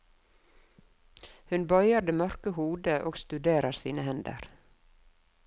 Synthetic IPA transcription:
hʉnbɔʏəd̪eːmœɾkəhuːd̪əʔoːɡst̪ʉd̪eːɾɑsiːnəhɛnd̪ə̰ɾ

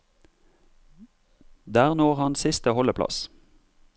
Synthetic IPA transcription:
d̪æːʁnoːʁhɑnsɪst̪əhɔləpʰlɑ̰s

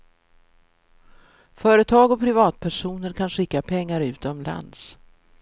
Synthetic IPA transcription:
fœːɾət̪ʰɑːɡɔpʰɾɪvɑːt̪̚pʰæʂuːnəɾkʰanɧɪkːapʰɛŋːaɾʉ̟ːt̪ɔmla̰nd̪s

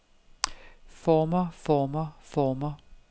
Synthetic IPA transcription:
fɔmɐfɔːmɐfɔːmɐ

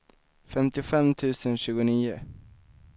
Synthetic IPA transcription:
fɛmt̪ɪʊfɛmt̪ʰʉ̟ːsənɕʉ̟ːɡʊniːʊ

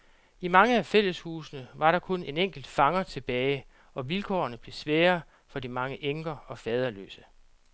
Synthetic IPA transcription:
imɑ̈ŋəæfel̰əshuːsnəʋɑ̈ɾɑ̈kʰɔ̽ne̝neŋ̰ɡ̥l̩d̥fɑ̈ŋɐt͡sʰe̝b̥ɛːɪ | ɒ̽ʋilkʰɒ̰ːɐnəb̥le̝sʋɛːɐ | fɒ̽d̥imɑ̈ŋəʔeŋɡ̥ɐɒ̽fɛːð̞ˠɐlø̰ːsə

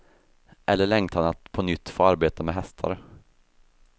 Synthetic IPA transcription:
ʔɛlːəɭɛŋt̪hanat̪pʰɔnʏt̪ːfoːaɾbeːt̪amɛɦɛst̪ʰa̰ɾə

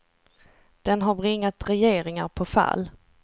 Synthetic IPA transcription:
d̪̥ɛnɦaɾbɾɪŋːat̪ɾɛjeːɾɪŋaɾpʰɔfa̰lː

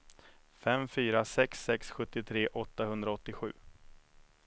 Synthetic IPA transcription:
fɛmfyːɾasɛksɛksɧɵt̪ːɪt̪ʰɾeːʔɔt̪ːahɵnd̪ɾaɔt̪ːɪɧʉ̟ː

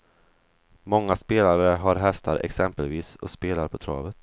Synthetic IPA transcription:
mɔŋːaspeːlaɾəɦaɾɦɛst̪aɾʔɛ̰ksɛmpəlviːsɔ̰speːlaɾpʰɔt̪ʰɾɑ̰ːvət̪

